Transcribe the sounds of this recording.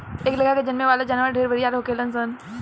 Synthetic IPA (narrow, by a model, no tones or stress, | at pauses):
eːkləkʰaked͡ʒɐnmeʋaːlad͡ʒaːnʋəɾɖʱeːɾbʱəɽijaːɾɦokeːləns̬ən